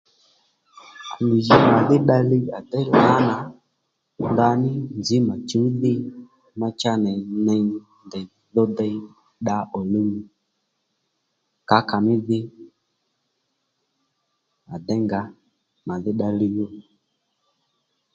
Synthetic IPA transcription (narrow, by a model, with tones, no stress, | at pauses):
a˨mi˨d͡ʒi˨ma˨ðɪ˦ɗa˧li˦a˨dɛ˦˨la˨˦na˨ | nda˧nɪ˦nd͡zi˨˦ma˨t͡ʃu˨˦ðɪ˦ | ma˧t͡ʃa˦nɛ˨nɛ˧ | ndɛ˨ | ðɔ˦dɛ˧i˦ | ɗa˦ɔ˨li˦mi˨ | ka˨˦ka˨mɪ˦ðɪ˦ | a˨dɛ˦ŋɡa˦ | ma˨ðɪ˦ɗa˧li˧jɔ˦